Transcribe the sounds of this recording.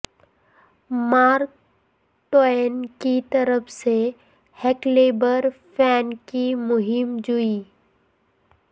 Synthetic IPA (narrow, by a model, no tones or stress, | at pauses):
maːɾk | ʈoenkit̪əɾəpʰse | hɛkleːbəɾfɛːnkimʊɦɪmd͡ʒuiː